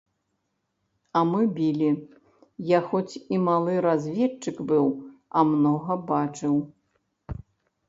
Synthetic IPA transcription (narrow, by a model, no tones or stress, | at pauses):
ɐmɨbʲilʲi | jaxɔt͡sʲimalˠɨɾazʲvʲɛt͡ʂːɨkbɨwɐmnɔɣɐbat͡ʂɨw